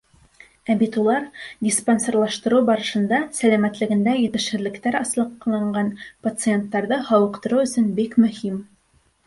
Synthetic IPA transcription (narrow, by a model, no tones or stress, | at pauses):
æbit̪ulˠɑɾd̪ʲisponsoɾlˠɑʃt̪ɤ̆ɾɤwbɑɾɤ̆ʃɤ̆nd̪ɑsælæmæt̪lɘ̆ɡɘ̆nd̪æjɘ̆t̪ɘ̆ʃhɘ̆ðlɘ̆kt̪æɾɑslˠɤ̆qlˠɑɴɢɑnpɐt̪sɨe̞nt̪ːɑɾðɤhɑwɤ̆qt̪ɤ̆ɾɤwɵ̆sɵnbikmɵ̆him